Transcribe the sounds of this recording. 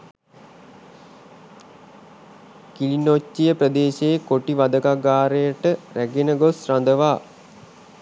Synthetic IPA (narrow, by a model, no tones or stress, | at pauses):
kilinot͡ʃːijəprəd̪eːɕekoʈiʋad̪əkaɡaːɾejəʈəɾæɡenəɡosrand̪əʋaː